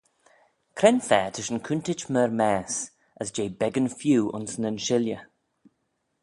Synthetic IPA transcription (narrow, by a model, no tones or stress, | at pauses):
kʰɾɛnfɛːt̪ʰəʃənkʰʉntɪt͡ʃməɹmɛːs | əsd͡ʒeːbɛɡənfjuːʔʊ̰nsnənʃɪljə